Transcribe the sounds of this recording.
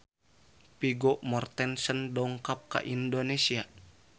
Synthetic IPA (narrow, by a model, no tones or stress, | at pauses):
piɡɔʔmɔrt̪ɛnsəndɔŋkap̚ka̰ʔindonesia